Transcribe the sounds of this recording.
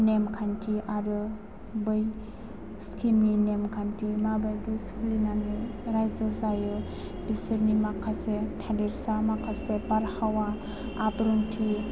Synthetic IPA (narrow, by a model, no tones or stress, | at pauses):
nemkʰantʰiʔaɾɯ | bɯj | skʰiminemkʰantʰimabajdiskʰlinanɯjɾajzɔzajɯ | bisɯɾnimakʰasetʰadeɾsamakʰasebaɾhawaː | bɾuŋtʰi